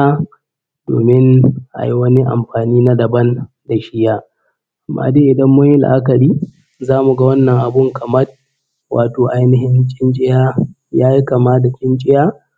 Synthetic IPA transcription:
a˦ | do̰ː˨mɪ˦nʔa̰˨ji˦wɐ˦ni˦ʔa̰˨mɸaː˨niː˦na˦dɐ˨bɐ˦nda˨ʃɪ˦jaː˦˨ | mːa̰ː˨deː˦ʔɪ˨dɐ˦mːʊ˦ɲjɪ˦l̰ʔa˦kɐ˨ɽiː˦ | zaː˦mu˨ɡa˦wɐ˦nːɐ˨ŋʔa˨bʊ˦ŋkʰɐ˨mɐ˦r | wʔa̰ː˨toː˨ʔa˦jnɪ˦ɦɪ˦nt͡ʃʼɪ˦nt͡ʃʼɪ˦jaː˦ | jaː˦ji˦ka˨maː˦da˨t͡ʃʲʼɪ˦nt͡ʃʼɪ˦jaː˦

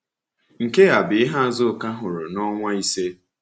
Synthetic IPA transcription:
ŋ̩˨ke˦a˨bɪ˨ɪ˦ɦa˦˨zʊ˦˨ka˦ɦʊ˨ɾʊ˨nɔ˦ŋʷa˦i˦se˦

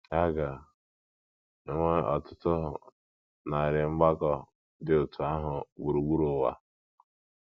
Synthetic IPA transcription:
a˦ɡa˨˦ | ŋʷe˦ɔ˨tʊ˦tʊ˦ɦʊ˨ | na˨a˨ɾɪ˨ŋ͡m̩˦ɡ͡ba˦ɡɔ˨ | dɪ˦ʊ˨tu˨a˦ɦʊ˨wu˨ɾu˨ɡ͡bu˦ɾu˨wa̰˦

